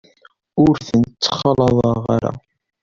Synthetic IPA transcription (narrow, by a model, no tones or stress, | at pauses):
ʊɾθənt͡sːə̥χɑlɑðˤɑʁaɾa̰